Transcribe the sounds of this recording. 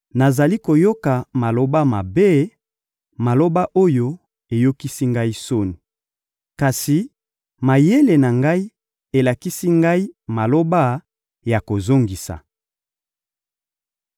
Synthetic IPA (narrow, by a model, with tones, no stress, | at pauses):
na˨za˨li˦ko˨jo˦ka˨ma˨lo˦ba˦ma˨be˦ | ma˨lo˦ba˦ʔo˦jo˦ | e˨jo˦ki˦si˦ŋɡa˦i˦so˦ni˨ | ka˨si˨ | ma˨je˦le˨na˨ŋɡa˦i˦ | e˨la˨ki˦si˦ŋɡa˦i˦ma˨lo˦ba˦ | ja˨ko˨zo˦ŋɡi˨sa̰˨